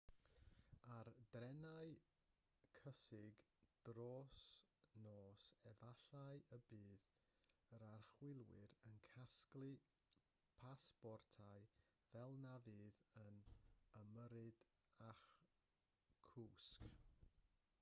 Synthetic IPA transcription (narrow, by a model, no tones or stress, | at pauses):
ardrɛnaɨ | kʰəsɪɡd̥roːsnoːsɛvaɬajəbɨːð | əɾarχwɪlˠwɪɾənkʰasklˠɨ | pʰasb̥ɔrtʰaɨ | vɛlˠnavɨːðənəməɾɨd̥ | aχ | kʰuːsk